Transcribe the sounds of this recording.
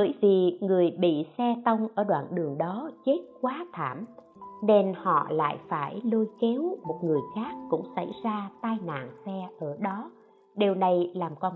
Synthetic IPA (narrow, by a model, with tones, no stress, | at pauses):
ɓəː˧˩jvi˨˩ŋɨ˨˩əjɓḭ˧˨sɛ˧t̪ə˧wŋ͡mʔəː˧˩ɗwa̰ː˧˨nɗɨ˨˩əŋɗɔ˨˦t͡ɕe˦˥t̚kwaː˨˦t̪ʰa̰ː˧˩m | ne˧nhɔ̰˧˨la̰ː˧˨jfaː˧˩jlo˧jke˨˦wmo˨˩t̚ŋɨ˨˩əjxaː˦˥k̚ːʊ̰˧˥ŋ͡msa̰˧˩jzaː˧t̪aː˧jna̰ː˧˨nsɛ˧ʔəː˧˩ɗɔ˨˦ | ɗe˨˩wna˨˩jlaː˨˩mkɔ˧n